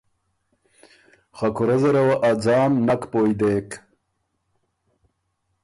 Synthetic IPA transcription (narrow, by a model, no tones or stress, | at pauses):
χɐkʰuɾɐzɐɾɐwɐʔɐd͡zɑːmnɐkpoːjd̪eːk